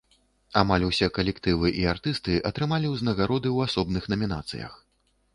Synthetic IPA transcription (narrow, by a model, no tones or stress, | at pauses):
amalʲusʲɛkɐlʲɛkt̪ɨvɨʔiart̪ɨst̪ɨʔɐt̪ɾɨmalʲiwznɐɣaɾɔd̪ɨwasɔbnɨxnɐmʲina̰t̪sɨ̰jɐ̰x